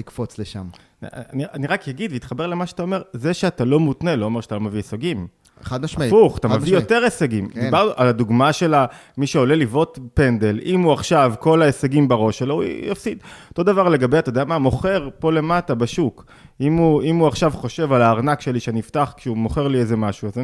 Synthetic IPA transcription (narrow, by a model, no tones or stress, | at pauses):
likfot͡sleʃa̰m | a̰anianiʁakjaɡid̪veit̪χabelemaʃeat̪aome̞ʁze̞ʃeat̪alo̞mutne̞lo̞ːmeʁʃat̪alomevieseɡim | ad̪maifuχat̪amevijjot̪eʁeseɡimd̪ibaʁnuʔalad̪uɡmaʃe̞la | miʃeo̞le̞livo̞tpe̞nd̪e̞lʔimuaχʃavko̞laeseɡimbeʁo̞ʃelo̞ṵja̰fsid̪ot̪o̞d̪avaʁle̞ɡabejat̪ajd̪eamamo̞χe̞ʁpo̞le̞matabaʃuk | imuimuaχʃavχo̞ʃe̞valaːʁnakʃe̞liʃeaniiftaχkʃeumo̞χe̞ʁliezemaʃuaz